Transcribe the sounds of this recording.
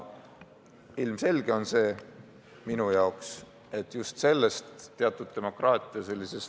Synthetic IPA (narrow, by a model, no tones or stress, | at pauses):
ilmse̞lʲɡ̥e̞o̞nse̞ː | minujɑoks | e̞t̪ːˑjust̪se̞lːest̪ːeɑt̪ːˑud̪̥̚t̪e̞mo̞krɑːt̪ʲˑiɑse̞lʲːise̞s